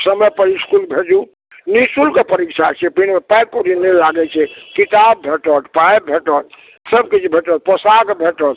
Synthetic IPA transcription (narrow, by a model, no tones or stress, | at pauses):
səməpəɾiskulbʱed͡ʒu | nisulkepəɾikt͡ʃʰat͡ʃʰɛpinmepaj̚koɾinɛlaɡɛt͡ʃʰɛkit̪abːʱeʈɔt̪pajbʱeʈɔt̪ | səbkit͡ʃʰbʱeʈɔt̪̚pəsaɡbʱeʈɔt̪